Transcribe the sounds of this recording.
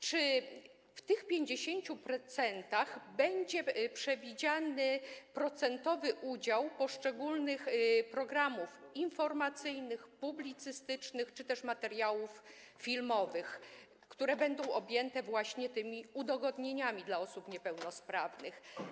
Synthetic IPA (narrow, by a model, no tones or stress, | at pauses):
t͡ʂɘ | ft̪ɘxpʲjeɲd͡ʑeɕeɲt͡ɕupɾɔt̪sɛnt̪aɣbɛɲd͡ʑɛpʂɛvʲid͡ʑanɘpɾɔt̪sɛnt̪ɔvɘʔud͡ʑawpɔʂt͡ʂɛɡulnɘxpɾɔɡɾamufinfɔɾmat̪sɘjnɘxpublʲit̪sɘst̪ɘt͡ʂnɘxt͡ʂɘt̪ɛʂmat̪ɛɾjawuf | fʲilmɔvɘx | kt̪uɾɛbɛnd̪ɔ̃w̃ʔɔbʲjɛnt̪ɛvwaɕɲɛt̪ɘmʲiud̪ɔɡɔd̪ɲeɲamʲid̪laɔsupɲɛpɛwnɔspɾavnɘx